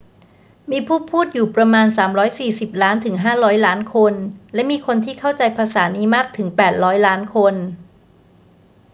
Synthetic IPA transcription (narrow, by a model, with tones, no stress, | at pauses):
miː˧pʰuː˥˩pʰuː˥˩t̪̚juː˨˩pɾa˧maː˧nsaː˩˦mɾɔː˦˥jsiː˨˩si˨˩p̚laː˦˥nt̪ʰɯ˩˦ŋɦaː˥˩ɾɔː˦˥jlaː˦˥nkʰo˧nlɛ˦˥miː˧kʰo˧nt̪ʰiː˥˩kʰa˥˩wt͡ɕa˧jpʰaː˧saː˩˦niː˦˥maː˥˩k̚t̪ʰɯ˩˦ŋpɛː˨˩t̪̚ɾɔː˦˥jlaː˦˥nkʰo˧n